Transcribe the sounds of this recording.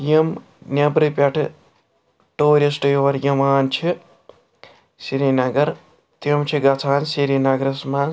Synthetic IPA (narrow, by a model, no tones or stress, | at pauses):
jɐm | nʲɐbɾɨpʲɐʈʰɨ | ʈoːɾesʈɨjoʋɐɾjɐmaːnt͡ʃʰi | siɾinɐɡɐɾ | t̪imt͡ʃʰiɡɐt͡sʰaːnsiɾiːnɐɡɾɐsmaːn